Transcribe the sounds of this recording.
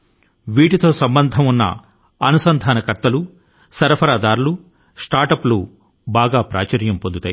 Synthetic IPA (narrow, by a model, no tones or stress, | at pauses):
ʋiːʈit̪o̞ːsɐmbɐnd̪ʱɐmunːɐ̰ | ɐnusɐnd̪ʱaːnɐkɐɾt̪ɐlu | sɐɾɐpʰɐɾaːd̪aːɾulu | sʈaːɾʈɐplu | baːɡaːpɾa̰ːt͡ʃɐɾjɐmpo̞nd̪ut̪aːj